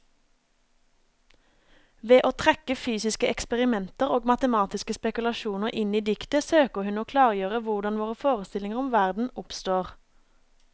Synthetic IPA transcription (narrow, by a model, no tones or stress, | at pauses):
ʋeːʔoːt̪ʰʁɛkəfyːsɪskəʔɛkspɛʁɪmɛnt̪əʁoːɡmɑt̪əmɑːt̪ɪskəspɛkʉlɑʃuːnəʁʔɪniːd̪ɪkt̪əsøːkəʁhʉnoːkʰlɑːʁjøːʁəʋʊʁd̪ɑnʋoːʁəfoːʁəst̪ɪlɪŋəʁɔmʋæʁd̪n̩ʊpst̪oːʁ